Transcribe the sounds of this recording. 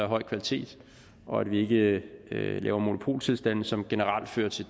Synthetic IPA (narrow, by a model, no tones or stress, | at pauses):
æɦɒ̽ɪ̰kʰʋælit͡sʰe̝̰ːd̥ | ʔɒ̽æd̥ʋie̝ɡ̥ə | lɛ̰ːʊɐmo̝no̝pʰo̝̰ːlt͡sʰe̝lsd̥æn̰̩sɒ̽mɡ̥e̝nəʁäl̰d̥fø̰ːɐt͡sʰe̝